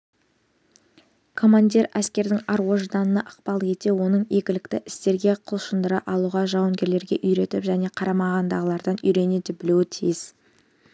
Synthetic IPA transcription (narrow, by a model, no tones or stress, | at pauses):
kʰo̞mand̪ʲiɾæskʲe̞ɾd̪ɪŋɑɾwo̞ʒd̪ɑnənɑʔɑqpɑlˠe̞t̪e̞wo̞nəɴe̞kʲɪlɪkt̪ɪʔɪ̥st̪e̞ɾɡʲe̞qʰʊlˠʃənd̪əɾɑʔɑlˠuʁɑʒɑwəŋɡʲe̞ɾle̞ɾɡʲe̞ʔʏjɾe̞t̪ɪpʒæne̞qʰɑɾɑmɑʁɑnd̪ɑʁəlˠɑɾd̪ɑnʏjɾe̞ned̪ɪbɪlewɪt̪ʰijɪz̥